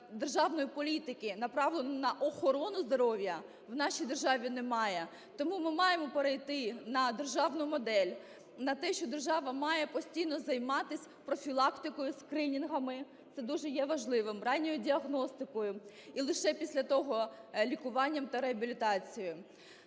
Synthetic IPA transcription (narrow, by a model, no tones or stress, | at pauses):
d̪erʒɑwnɔjipɔlʲit̪ɪkɪnɐpɾɑʋlˠɔnɐʔɔxɔɾɔnʊzd̪ɔɾɔwʲjɐ | wnɑʃʲijd̪erʒɑʋʲinɛmɑjɛ | t̪ɔmumɪmɑjemɔpeɾejt̪ɪnɐd̪erʒɑwnʊmɔd̪ɛlʲ | nɐt̪ɛʃt͡ʃɔd̪erʒɑʋɐmɑjɛpɔsʲtʲijnɔzɐjmɑt̪ɪsʲ | pɾɔfʲilˠɑkt̪ɪkɔjʊskɾɪnʲinɦɐmɪ | t̪sɛd̪uʒɛjɛʋɐʒlˠɪʋɪmrɑnʲːɔjʊdʲiɐɣnɔst̪ɪkɔjʊ | ilˠɪʃɛpʲisʲlʲɐt̪ɔɦɔlʲikʊʋɑnʲːɐmt̪ɐɾeɐbʲilʲit̪ɑt͡sʲijʊ